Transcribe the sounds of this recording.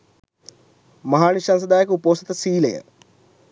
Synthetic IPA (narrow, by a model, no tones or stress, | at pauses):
mɐɦaːniʃans̬əd̪aːjəkəupoːsit̪əsiːləjə̰